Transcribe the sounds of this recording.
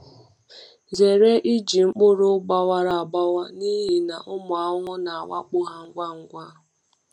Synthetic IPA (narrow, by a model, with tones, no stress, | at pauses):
ze˨ɾe˦ʔi˦d͡ʒi˨ŋ͡m̩˦k͡pʊ˦ɾʊ˦ɡ͡ba˦wa˦ɾa˨a˨ba˦wa˦ni˦ɦi˨na˨ʔʊ˦mʊ˨a˨ɦʊ˦ŋʊ˦na˨a˨wa̰˦k͡pʊ˦ɦa˦ŋ̩˦ɡʷa˦ŋ̩˦ɡʷa˦